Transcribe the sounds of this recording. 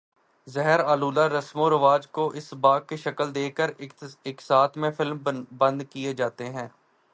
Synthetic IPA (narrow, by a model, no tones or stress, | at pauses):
zɛɦəɾaːluːlaɾɐsmõɾɐʋaːd͡ʒkoʔɪsbaːɡ̚keʃɐkəld̪eːkəɾɪksaːt̪ʰmẽfɪlmbɐ̃nd̪kied͡ʒaːt̪eɦɛ̃ː